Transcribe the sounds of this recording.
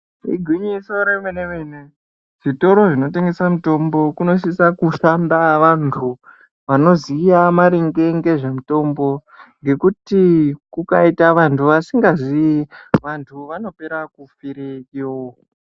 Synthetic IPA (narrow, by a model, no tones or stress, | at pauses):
ḭɡʱwiɲiso̞ɾemwenemene | ʐ̥ito̞ɾo̞ʐino̞te̞ŋɡe̞samito̞mbo̞kuno̞s̬isakuʃandaʋantʰu | ʋano̞zijamaɾiŋɡe̞ŋɡe̞ʐemito̞mbo̞ | ŋɡe̞kutikukaitaʋantʰuʋasiŋɡaziiʋantʰuʋano̞pe̞ɾakufiɾekiwoko